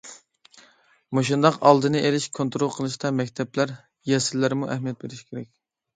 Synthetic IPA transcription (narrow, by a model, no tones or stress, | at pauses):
moʃ̬und̪ɑqɑlˠd̪ɨnɨʔelɪʃkʰont̪ɾolˠqʰəlˠɨʃt̪ɑmɛkʲt̪ʰɛplæɾ | jɛsɪlːæɾmuʔɛhmijɛt̪̚beɾɪʃkʲʰeɾɛk̚ʲ